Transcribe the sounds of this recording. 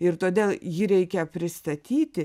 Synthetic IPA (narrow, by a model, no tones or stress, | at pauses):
ɪrt̪oːd̪ʲeːlˠjiːɾʲɛɪkʲɛpʲɾʲɪst̪ɐt̪ʲiːt̪ʲɪ